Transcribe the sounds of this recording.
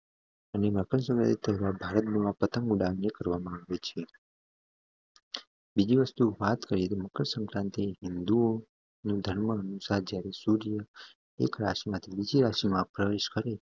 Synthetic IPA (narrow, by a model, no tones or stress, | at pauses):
əneməkəɳsə̃ŋkɾã̰t̪et̪ʰəɦʋabʱaɾət̪̚nuapət̪əŋɡuɽaʋnekəɾʋamãaʋet͡ʃʰe | bid͡ʒiʋəst̪uʋat̪kəɾijet̪oməkəɳsə̃ŋkɾãnt̪eɦɪnd̪uo | nũd̪ʱəɳməənusaɾd͡ʒjaɾesuɾijə | ḛkɾa̰ʃimãt̪ʰibid͡ʒiɾaʃimãpɾəʋeʃkəɾe